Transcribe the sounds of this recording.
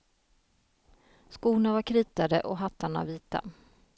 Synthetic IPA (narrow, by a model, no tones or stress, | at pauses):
skuːnavaɾkʰɾiːt̪ad̪əʔɔɦat̪ʰːaɳa̰viːt̪a̰